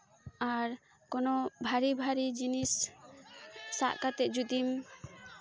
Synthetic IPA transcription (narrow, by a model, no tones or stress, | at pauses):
aɾ | kɔnɔbʱaɾibʱaɾid͡ʒinis | a̰ʔkat̪ɛd͡ʒud̪im